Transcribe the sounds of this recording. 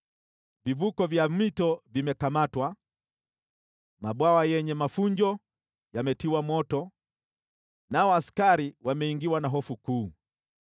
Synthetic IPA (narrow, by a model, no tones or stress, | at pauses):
vivukɔvjamitɔvimɛkamatwa | maɓwawajɛɲɛmafuɲd͡ʒɔ | jamɛtiwamɔtɔ | naɔaskaɾiwamɛiŋɡiwanaɦɔfukuː